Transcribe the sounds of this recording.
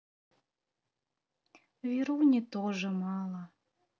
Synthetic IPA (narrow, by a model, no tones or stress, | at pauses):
viɾuwnʲet̪oʒɤ̆mɑlˠɑ